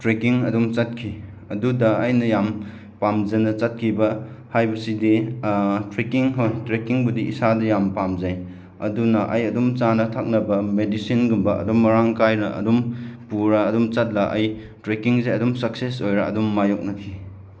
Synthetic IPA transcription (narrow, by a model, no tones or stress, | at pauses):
tɾekiŋɐdumt͡ʃɐt̚kʰi | ɐdudɐːjnɐjam | pamd͡ʒɐnɐt͡ʃɐt̚kʰibɐhajbɐsidi | tɾekiŋɦojtɾekiŋbudiḭsadɐjampamzaj | ɐ̰dunɐʔɐjɐdumt͡ʃanɐtʰak̚nɐbɐmedisinɡumbɐʔɐ̰dumːɐɾaŋkajɾɐʔɐ̰dumpuɾɐːdumt͡ʃɐt̚lɐʔɐ̰j | tɾekiŋzajɐdumsɐk̚sesojɾɐ̰ɐ̰dumːajok̚nɐkʰi